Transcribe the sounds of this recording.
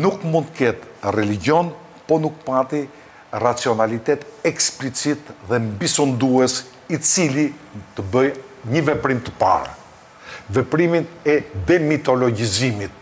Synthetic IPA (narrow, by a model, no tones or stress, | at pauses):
nukmundt̪kɛt̪rɛliɟɔn | pɔnuk̚pat̪i | rat͡siɔnalit̪ɛt̪ɛksplit͡sit̪ðɛmbisund̪uɛs | it͡silit̪əbəjɲəvɛpɾimt̪ə̥pa̰ɾ̰ | vɛpɾiminɛd̪ɛmit̪ɔlɔɟizimit̪̚